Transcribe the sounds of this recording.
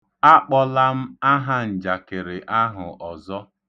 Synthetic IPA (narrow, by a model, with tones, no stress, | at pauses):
a˦k͡pɔ˦la˦m̩˦a˦ɦa˦n̩˨d͡ʒa˨kɪ˨ɾɪ˨ʔa˦ɦʊ˨ʔɔ˨zɔ˦